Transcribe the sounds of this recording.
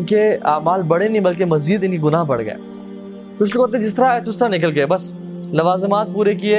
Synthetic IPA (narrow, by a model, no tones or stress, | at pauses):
nkeaːmaːlbɐɽenɐĩbɐlk̬emɐziːd̪ɪnkiɡʊnaːɦbɐɽɡɐ̰ḛː | kʊʃlokːəɾt̪ẽd͡ʒɪs̬t̪əɾaːet̪ʰʊst̪əɾanɪk̬əlɡɐebɐs | nɐʋaːzɪmaːt̪̚puːɾekieː